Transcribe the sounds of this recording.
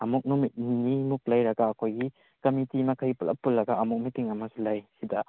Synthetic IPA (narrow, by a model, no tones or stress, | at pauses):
ɐmuk̚numit̚nimuk̚lɐjɾɐɡaːkʰojɡi | kɐmitimɐkʰɐjpulɐ̰pːulːɐɡaɐmuk̚mitiŋɐmɐsulɐjsidɐ